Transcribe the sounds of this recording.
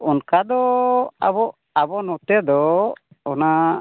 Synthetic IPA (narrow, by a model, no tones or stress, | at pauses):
unkad̪ɔa̰bɔʔ | abɔnɔt̪ɛd̪ɔ | ɔna